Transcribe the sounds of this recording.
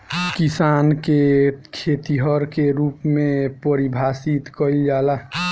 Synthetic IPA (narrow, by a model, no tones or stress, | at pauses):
kisankekʰet̪iɦəɾkeɾuːpmẽpəɾibʱasit̪kəild͡ʒala